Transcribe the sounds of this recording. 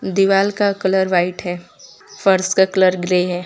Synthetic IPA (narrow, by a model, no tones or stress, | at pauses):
d̪iʋaːlkakələɾʋaːɪʈɦɛː | fəɾskakləɾɡɾeːɦɛː